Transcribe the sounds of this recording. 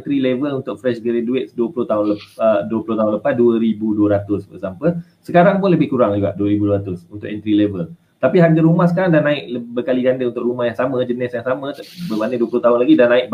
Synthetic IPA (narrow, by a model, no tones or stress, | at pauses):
nt̪ɾilevəlunt̪ʊk̚fɾɛʃɡəɾeduet̪̚sduəpulʊht̪aɦʊnləəduəplʊht̪aɦʊnləpasduəɾibuduəɾat̪ʊsbə̰sampə | səkaɾaŋpʊnləbɪhkuɾaŋd͡ʒuɡa̰ʔduəɾibuduəɾat̪ʊsunt̪ʊʔɛnt̪ɾilevəl | t̪apiɦanɡəɾumahsəkaɾaŋdanãɪk̚bəkaliɡandəunt̪ʊʔɾumahjaŋsamə̃d͡ʒənɪsjaŋsamə̃bəmanə̃duəplʊht̪aɦʊnlaɡidanãɪʔ̚